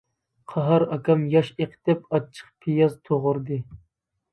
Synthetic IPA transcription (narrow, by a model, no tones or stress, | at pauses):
qʰɑɦɑɾɑkʰɑmjɑʃeqʰt̪ɛpɑt͡ʃʰːə̥χpʰijɑzt̪ʰoʁʊɾd̪ɨ